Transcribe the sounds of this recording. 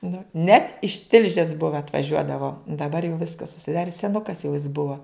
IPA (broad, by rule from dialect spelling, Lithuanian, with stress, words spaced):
nʊ nʲɛt ɪʃ ˈtʲɪlʲʒʲeːs ˈbʊʋɐ ɐtʋɐˈʒʲuɔdɐʋoː dɐˈbɐr jɛʊ ˈʋʲɪskɐs ʊʃʲsʲɪˈdɑːrʲɪ sʲɛˈnʊkɐs jɛʊ ɪs ˈbʊɐ